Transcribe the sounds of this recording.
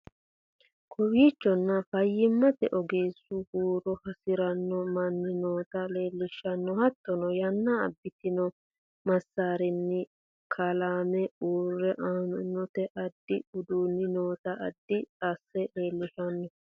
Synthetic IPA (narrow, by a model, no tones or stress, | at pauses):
kʰɔwiːt͡ʃːɔnːɐfɐjːɪmːɐt̪ɛʔɔɡeːsːʊhuːɾɔhɐsɪɾɐnːɔmɐnːɪnoːt̪ɐle̞ːlːɪʃːɐnːɔhɐt̪ːɔnɔjɐnːɐːbːɪt̪ɪnɔ | mɐsːaːɾɪnːɪ | kʰɐlaːmɛuːrːɛʔaːnʊnːɔt̪ɛʔɐd̪ːɪʊd̪uːnːɪnoːt̪ɐʔɐ̰d̪ːɪt̪ʼasːɛle̞ːlːɪʃɐnːɔ